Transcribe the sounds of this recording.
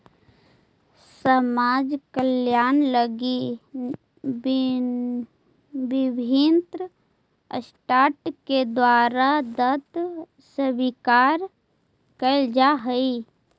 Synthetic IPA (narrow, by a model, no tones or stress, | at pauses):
səmaːd͡ʒkəljaːnləɡi | bɪbʱint̪ɾ | ə̰sʈaːʈked̪waːɾad̪ət̪ | səbikaːɾ | kəld͡ʒaɦəi